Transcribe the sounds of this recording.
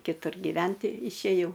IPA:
kʲɪˈtʊr ɡʲɪˈʋʲɛnʲtʲɪ ɪʃʲeːˈjɛʊ

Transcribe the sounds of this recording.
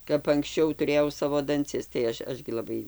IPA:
kɐp ɐŋksʲˈt͡ʃʲɛʊ tʊˈrʲeːjɛʊ ˈsɑːʋoː dɐnʲˈt͡sʲɪs tɐɪ ˈɐʃ ˈɐʃ ɡʲɪ lˠɐˈbɐɪ

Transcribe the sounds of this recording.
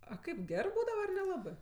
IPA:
ɐ ˈkɐɪp ˈɡʲæːrɜ ˈbuːdɐʋɐ ɐr nʲɛˈlˠɑːbɜ

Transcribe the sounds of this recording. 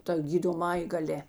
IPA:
tɐ ɡʲiːdoːˈmɑːjeː ɡɐˈlʲeː

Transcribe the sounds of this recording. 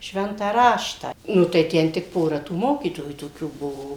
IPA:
ˈʃʲʋʲɛntɑː ˈrɑːʃtɑː ˈnʊ tɐɪ ˈtʲɛn tʲɪk ˈpoːrɐ tuː ˈmoːkʲiːtoːjuː toːˈkʲuː ˈbʊʋoː

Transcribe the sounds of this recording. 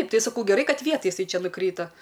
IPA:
ˈtɐɪ sɐˈkɐʊ ɡʲɛˈrɐɪ ˈkɐt ˈʋʲiɛtɐj jɪˈsɐɪ ˈt͡ʃʲɛ nʊˈkrʲiːtɐ

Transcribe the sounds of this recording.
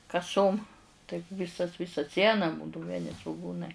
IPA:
kɐˈsoːm tɐɪp ˈʋʲɪsɐs ˈʋʲɪsɐ ˈsʲiɛnɐ ˈbuːdɐʊ ʋʲiɛˈnʲɪ sʋʊˈɡuːnɐɪ

